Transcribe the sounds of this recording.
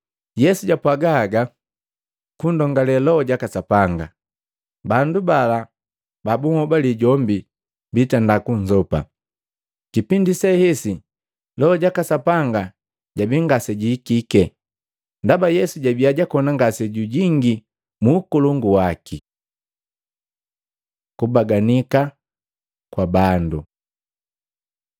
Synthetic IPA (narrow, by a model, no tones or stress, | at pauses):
jɛsuɟapwaɡaːɡa | kundɔŋɡalɛlɔɔɟakasapaŋɡa | bandubala | babuhɔbaliɟɔmbi | bitandakuɲd͡ʒɔpa̰ | kipindisɛhɛsi | lɔɔɟakasapaŋɡa | ɟabiŋɡasɛɟikikɛ | ndabajɛsuɟabiaɟakɔnaŋɡasɛɟuɟiŋɡi | muːkuluŋɡuwaki | kubaɡanika | kwabandu